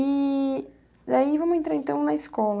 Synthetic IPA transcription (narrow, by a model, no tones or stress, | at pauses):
i | d̪aivɐ̃mʊẽnt̪ɾaɾẽnt̪ɐ̃w̃nɐiskɔlɐ